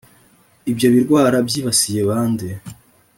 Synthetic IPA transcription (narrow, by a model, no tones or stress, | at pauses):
ibjo̞βiɾɡwaːɾabjiːβasijeβaːnde